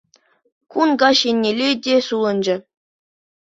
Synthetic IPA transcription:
kunɡɑɕenʲːelʲedʲesulˠɤ̆nd͡ʑɘ̆

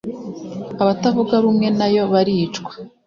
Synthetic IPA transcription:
aβatavuɡaβumŋe̞najo̞βaɾiːt͡ʃɡwḁ

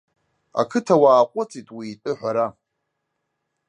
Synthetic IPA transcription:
a̰kʰɨtʰawaːqʷʼʊt͡sʼitʼwiːtʼɨħʷᶣaɾa

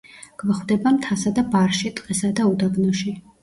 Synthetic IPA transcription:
ɡ̥vɔχwd̪ɛbamt̪ʰasad̪abaɾʃit̪ʼqʼɛsad̪aud̪aɡnɔʃi

